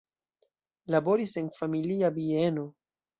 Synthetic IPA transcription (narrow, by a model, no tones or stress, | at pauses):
labo̞ɾise̞nfamiliabieno̞